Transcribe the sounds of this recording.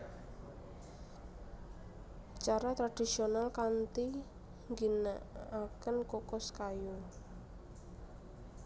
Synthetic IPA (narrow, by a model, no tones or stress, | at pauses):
t͡ʃaɾat̪ɾad̥isionalkant̪i | ŋɡinaakənkokɔskaju